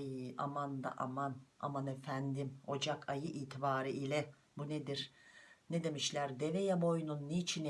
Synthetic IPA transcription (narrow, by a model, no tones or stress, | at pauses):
ja̰mand̪a̰ʔa̰mana̰manefænd̪imo̞d͡ʒakʰajɯʔiːt̪ʰibaːɾɯʔilʲɛ | buned̪iɾned̪e̞miʃlʲæɾd̪evejabo̞jnunːit͡ʃʰin